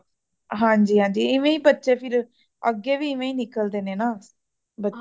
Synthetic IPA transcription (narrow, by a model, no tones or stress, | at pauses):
ɦãːɲd͡ʒiːɦãːɲd͡ʒiːɪʋẽːiːbətːʃeːpʰɪɾ | ə̰ɡːeːʋiːɪʋẽːiːnɪkəld̪eːneːnaː | bətː